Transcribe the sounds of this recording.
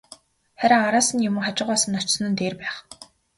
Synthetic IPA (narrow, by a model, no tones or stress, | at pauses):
χæɾʲaaɾaːsə̆njʊmə̆ŋχat͡ɕɪ̆ʁaːsə̆nːɔt͡ɕs̆nə̆nt̪eːrpæːχ